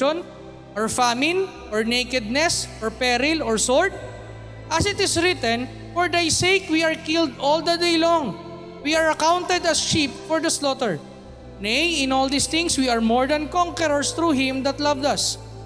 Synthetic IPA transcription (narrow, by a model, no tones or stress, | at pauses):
ɔn | ʔɔɹfamɪ̃n | ʔɔɹnejkɛd̪̚nɛsʔɔɹpɛɾɪlɔɹsɔɹt̪̚ | ʔɐsɪt̪ɪsɾɪt̪ɛ̃n | fɔɹd̪ajsejkwiaɹkɪld̪ɔld̪ɐd̪ejlɔŋ | wiaɹɐkawnt̪ɛd̪ɐsʃip̚fɔɹd̪ɐslɔt̪ɛɹ | nejɪ̃nɔld̪ist̪ɪ̃ŋswiɐɹmɔɹd̪ɐnkɔ̃ŋkɛɾɔɹst̪ɾuːɦɪ̃md̪ɐt̪lɐvd̪ɐs